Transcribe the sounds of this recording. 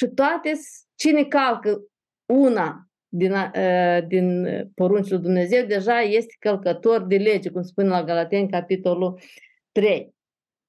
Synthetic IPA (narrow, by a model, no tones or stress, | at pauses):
ʃit̪oat̪es | t͡ʃinekalkə | una | d̪inad̪inpo̞ɾunt͡ʃelujd̪umne̞ze̞wd̪e̞ʒaje̞st̪e̥kəlkət̪o̞rd̪e̞le̞d͡ʒekumspunelaɡalat̪e̞nʲkapit̪o̞lu | t̪ɾe̞j